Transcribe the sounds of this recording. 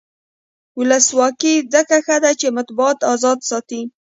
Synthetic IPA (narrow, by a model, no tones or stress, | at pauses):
wʊləswɑkizəkaxad̪at͡ʃemat̪bʊɑt̪ɑzɑd̪sɑt̪i